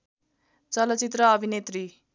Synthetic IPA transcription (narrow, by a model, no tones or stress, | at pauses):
t͡sʌlʌt͡sit̪rʌːbʱinet̪ri